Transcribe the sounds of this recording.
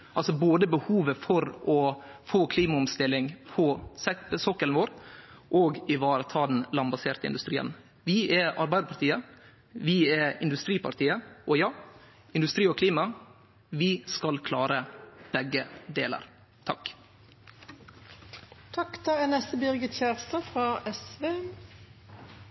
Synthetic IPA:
ʔɑlsɔboːd̪əbəhuːʋəfɔɾʔɔfoːkʰliːmɑʊmst̪ɪlːɪŋpʰɔsɛsɔkəlnʋoːɾʔoːɡɪʋɑːɾət̪ʰɑːd̪n̩lɑmbɑseːɾt̪əɪ̰nʉst̪ɾiːə̰n | ʋɪʔɛɑɾbæɪd̪ɾpɑɾt̪ʰiːə | ʋɪɛɪ̰nd̪ʉst̪ɾiːpʰɑ̰ɾt̪ʰiːəʔɔjɑː | ɪnd̪ʉst̪ɾiːɔkʰliːmɑ | ʋɪskɑlkʰlɑːɾəb̥ɛɡːəd̪eːlə̰ɾ | t̪ʰɑk | t̪ʰɑkt̪ʰɑɛnɛst̪əbʏʁɡət̪çæːʁst̪əfʁɑːʔɛsʋeː

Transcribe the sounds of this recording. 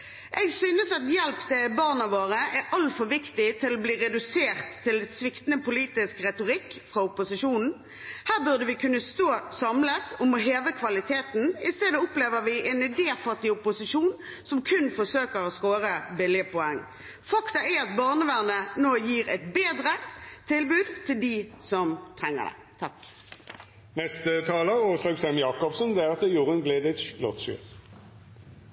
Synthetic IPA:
ʔɛɡsyːnəsɑt̪jɛlpt̪ɛbɑʁnɑʋoːʁəʔɛʔɑlfɔʁʋɪkt̪ɪt̪ʰɪlɔbliːʁɛd̪ʉseːʁt̪ʰːɪlɛsʋɪkt̪nəpʊliːt̪ɪskʁɛt̪ʊʁɪkːfʁɑʊpʊsɪʃuːnn̩ | hæːʁbʉʁd̪əʋɪkʰʉnːəst̪oːsɑmlət̪ɔmɔɦeːʋəkʰʋɑlɪt̪ʰeːt̪n̩ɪst̪eːd̪əʊpleːʋəʁʋɪʔɛnɛd̪eːfɑt̪ːɪʊpʊsɪʃuːn | sɔmkʰʉnfɔsøːkəʁɔskoːɾəbɪlɪəpɔɛŋː | fɑkt̪ɑæɑt̪̚bɑʁnəʋæʁnənoːjiːʁɛ̰t̪beːd̪ʁət̪ʰɪlbʉːd̪t̪ʰɪld̪ɪsɔmt̪ʰʁɛŋːə̰d̪ɛ̰ | t̪ʰɑk | nɛst̪ət̪ʰɑːləʁoːʁslɑːɡsɛmjɑːkɔpsənd̪ɛæʁɑt̪ɛjuːʁənɡleːd̪əɛt̪sblɔt̪ʃʉ̰ʁ

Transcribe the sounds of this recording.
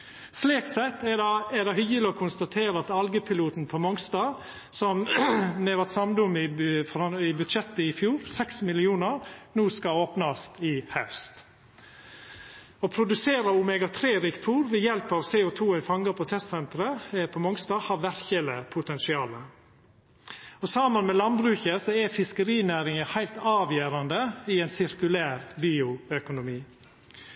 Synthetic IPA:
sliːksɛt̪ːɛdɛd̪ɛhʏjəlɪɔːkʰʊnst̪ɑt̪ʰeːɾəɑt̪ɑlɡəpʰɪluːt̪n̩pʰɔmɔŋst̪ɑː | sɔmnɛːʋɑt̪sɑmd̪ʊmɪfɔɾɑɪbʉt̪ʃɛt̪ːəɪfjuːɾsɛksmɪlɪuːnəɾnuːskɑoːpnɑst̪ɪhɑʉst̪ | ɔpʰɾʊd̪ʉseːɾəʊmɛɡɑt̪ʰɾeːɾɪkt̪ʰuːɾʋɛjɛlpɑʋseːʊt̪ʰuːɛnfɑŋɡəpʰɔt̪ʰɛst̪sɛnt̪ɾəpʰɔmɔŋst̪ɑːhɑːʋæɾçələpʰʊt̪ʰɛnsɪɑːlə | ɔsɑːmənmɛlɑnbɾʉːçəsɔɛfɪskəɾiːnæːɾɪŋəhæɪlt̪ɑːʋjøːɾɑnd̪əɪɛɪnsɪɾkʉlæːɾbiːʊœkʊnʊmiː

